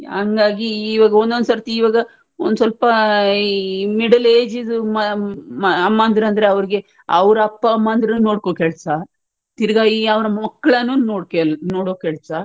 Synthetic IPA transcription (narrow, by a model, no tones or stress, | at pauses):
aŋɡaːɡiːʋaːɡɐond̪ond̪sɐɾt̪iːʋaːɡɐ | o̰nd̪usɐlpɐ | miɽɐleːd͡ʒid̪umɐ | ɐmːɐːnd̪ɾɐnd̪ɐɾe̞ɐʋɐɾiɡe̞ | ɐʋɐɾɐɐpːɐːmːɐːnd̪ɾɐnunoːɽkoːkɛɭsaːɾ | t̪iɾɡaːjiɐʋɐɾɐmɐkːɐɭɐnːuːnoːɽkenoːɽoːkɛɭsaːɾ